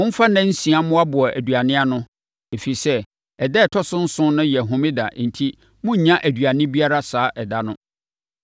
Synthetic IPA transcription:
wʊ̃˦m̩˦fa˦nã˦n̩˦sĩ˨a˦mʊ̃˦a˦bʊ˨ɔ˨ʔæ˨dɥa˨nɪ̃˦a˦nʊ̃˦ | e˨fi˨sɛ˦ | ɛ˨dɛ˦˨tʰɔ˦sʊ̃˦n̩˦sʊ̃˦nʊ̃˦jɛ˨ɦʊ̃˨mɪ̃˦da̰˨˦n̩˨tʰi˦ | mʊ̃˦ɲ̩˨ɲã˦ʔæ˨dɥa˨nɪ̃˦bi˦a˦ɾa˦saː˨˦ʔɛ˨da˦nʊ̃˦

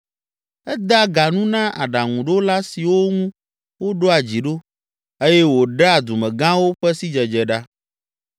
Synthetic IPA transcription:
ɛ˦d̪a˦ɡa˨nũ˦nã˦ʔa˨ɖa˨ŋũ˨ɖo˦la˦si˨wo˦ŋũ˦ | wo˦ɖo˦a˨d͡ʑi˨ɖo˦ | e˦jɛ˦wo˨ɖa˦˨d̪u˨mɛ̃˨ɡã˦wo˦ɸɛ˦si˦d͡ʒɛ˨d͡ʒɛ˨ɖa˦

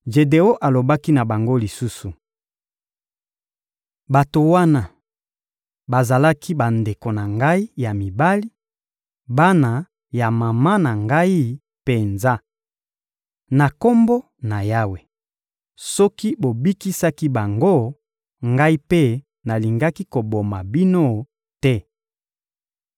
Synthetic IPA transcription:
ʒe˨de˨o˦ʔa˨lo˨ba˦ki˦na˨ba˨ŋɡo˦li˨su˦su˨ | ba˨to˨wa˦na˦ | ba˨za˨la˦kʰi˦ba˨nde˨ko˨na˨ŋɡa˦i˦ja˨mi˨ba˦li˦ | ba˦na˨ | ja˨ma˨ma˦na˨ŋɡa˦i˦ | pe˨nza˦ | na˨ko˦mbo˦ | na˨ja˦we˨ | sɔ˦ki˦bo˨bi˦ki˦sa˦ki˦ba˨ŋɡo˦ | ŋɡa˦i˦pe˦ | na˨li˨ŋɡa˦ki˦ko˨bo˨ma˨bi˦no˦ | tɛ˦

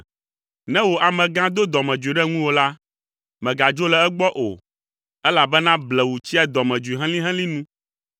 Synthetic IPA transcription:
nɛ̃˦wo˨ʔa˨mɛ̃˨ɡã˦d̪o˦d̪ɔ˨mɛ̃˨d͡ʒu˨i˨ɖɛ˦ŋũ˦wo˨la˦ | mɛ̃˨ɡa˨d͡ʒo˦lɛ˨ɛ˦ɡ͡bɔ˦ʔo˨ | ɛ˦la˨bɛ˦nã˦blɛ˨wu˨t͡ɕi˦a˦d̪ɔ˨mɛ̃˨d͡ʒu˨i˨ɦɛ̃˦lĩ˦ɦɛ̃˦lĩ˦nũ˦

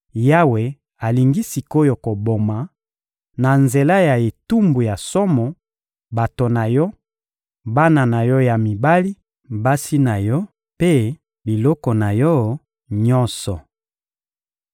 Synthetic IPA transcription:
ja˦we˨ | a˨li˨ŋɡi˦si˨ko˦jo˨ko˨bo˨ma˨ | na˨nze˨la˦ja˨e˨tu˦mbu˨ja˨sɔ˦mɔ˨ | ba˨to˨na˨jɔ˦ | ba˦na˨na˨jɔ˦ja˨mi˨ba˦li˦ | ba˦si˦na˨jɔ˦ | pe˦ | bi˨lɔ˦kɔ˨na˨jɔ˦ | ɲɔ˦nsɔ˨

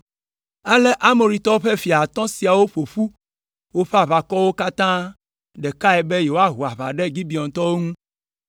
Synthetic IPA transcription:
a˦le˦ʔa˦mo˨ɾi˨t̪ɔ˦wo˦ɸe˦fi˨a˨t̪ɔ̃˦si˨a˨wo˦ɸo˨ɸu˦ | wo˦ɸe˦a˨βa˨kɔ˦wo˦ka˦t̪ã˦ | ɖe˨ka˦ɛ˨be˦je˨wo˦a˦ɦu˨a˨βa̰˨ɖe˦ɡi˦bi˨ɔ̃˨t̪ɔ˦wo˦ŋũ˦

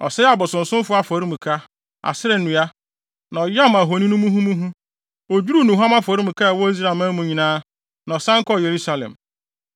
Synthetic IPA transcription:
ɔ̰˨sɛ˦a˨bɔ˨sʊ̃˨n̩˨sʊ̃˦m˦fʊ˦a˦fɔ˨ɾi˦m̩̃˨kʰa˦ | a̰˨sɪ˦ɾɛ˨nũ˨˦a˦ | nã˨ɔ˨ja˦˨ma˨ɦo˨nĩ˦nũ˦mũ˦ɦũ˦mũ˦ɦũ˦ | o˨d͡ʑu˦ɾu˦nũ˨ɦu˦a˦ma˦fɔ˨ɾi˦m̩̃˨ka˦a˨wɔ˦i˦s̬ɾa˦˨mã˦mũ˨ɲĩ˨nãː˦ | nã˨ɔ˨sã˦ŋ̩˦kɔ˦˨je˨ɾu˦sa˦lɛ̰̃˨m

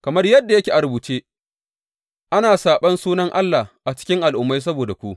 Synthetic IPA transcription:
kɐ˨mɐ˦rjɐ˦dːa˨jɐ˦kʲeː˨ʔa˨ɾʊ˨buː˨t͡ʃeː˦ | ʔa˦naː˨saː˨ɓɐ˦nsuː˦nɐ˦ŋʔa˦lːa˨ʔa˨t͡ʃɪ̥˦kʲɪ˦ŋʔa˨lʔʊ˨mːa˦js̬ɐ˦boː˨da˨kʷu˦ʔ

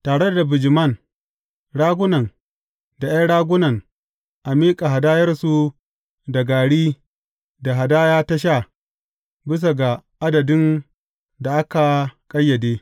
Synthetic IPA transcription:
taː˨ɽe˦da˨bɪ˨d͡ʒɪ˨mɐ˦˨n | ɽaː˦ɡʷʊ˦nɐ˨n | da˨ja˦ɽaː˦ɡʷʊ˦nɐ˨n | ʔa˨miː˦kʼa˨ɦa˨daː˦jɐ˦rsu˨ | da˨ɡaː˨ɽiː˦ | da˨ɦa˨daː˦jaː˦ta˦ʃ̬a˦˨ | bɪ˦s̬a˨ɡa˨ʔa˦dɐ˨dɪ˦n | da˨ʔa˦ka˨kʼɐ˦jːɐ˨deː˦

